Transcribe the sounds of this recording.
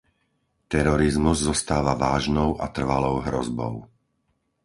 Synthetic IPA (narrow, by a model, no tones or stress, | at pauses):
t̪ɛɾɔɾizmuzzɔst̪aːʋaʋaːʒnɔʊʔat̪r̩ʋalɔʊɦɾɔ̰zbɔ̰ʊ